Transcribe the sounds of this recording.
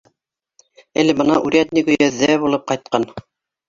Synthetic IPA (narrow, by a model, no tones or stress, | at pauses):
ælɘ̆bɤ̆nɑʔʉɾʲæt̪nikʉjæðːæbulˠɤp̚qɑjt̪̚qɑn